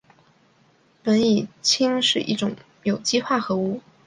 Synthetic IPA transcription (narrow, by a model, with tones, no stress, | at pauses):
pə˧˥ni˨˩t͡ɕʰi˥ŋʂɻ̩˥˧ʔḭ˥˩ʈ͡ʂʊ˨˩˦ŋ | jo˨˩ʊt͡ɕi˥xwa˥˩xɤ˧˥u˥˩